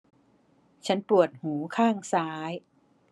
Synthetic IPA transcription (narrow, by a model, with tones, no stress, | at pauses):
t͡ɕʰa˦˥npɾu˨˩ət̪̚huː˩˦kʰaː˥˩ŋsaː˦˥j